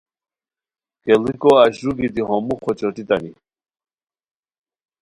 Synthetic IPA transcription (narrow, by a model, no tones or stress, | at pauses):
kɛlikʼɔaʒɾuɡid̪iɦɔmuχɔt͡ʃʼɔt̪it̪ʼani